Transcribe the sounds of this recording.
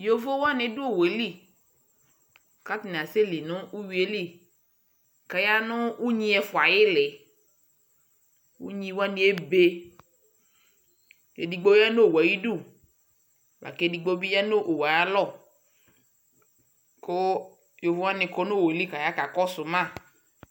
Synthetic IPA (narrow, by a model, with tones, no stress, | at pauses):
jo˦vo˦wa˦nɪ̃˨dʊ˦o˦˨we˨li˦˨ | ka˦tɪ˨n˨a˨se˦li˨nʊ̃˦u˦wi˨˦e˦li˦˨ | ka˨ja˦nʊ˦u˦ɲĩ˦ɛ˨fʊ˨a˨jɪ˦lɪ˨ | wṵ˦ɲĩ˦wa˦nĩ˨˦e˦be˦ | jḛ˨di˨ɡ͡bo˦a˦no˦˨wa˨ji˦du˦˨ | wa̰˨ke˦di˨ɡ͡bo˦bi˦ja˦no˦ʔo˨wa˨ja˦lɔ˦˨ | ko˦ | jo˨vu˦a˦nɪ̃˨kɔ˦no˦˨we˨li˦ka˨ja˦ka˨kɔ˦sʊ˨mã˦˨